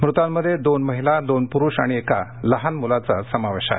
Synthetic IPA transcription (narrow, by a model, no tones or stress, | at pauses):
mɾut̪ãmːəd̪ʱːjed̪onməɦilad̪onpuɾuːɕa̰ɽ̃iekaləɦanmulat͡sasəmaʋeɕa̰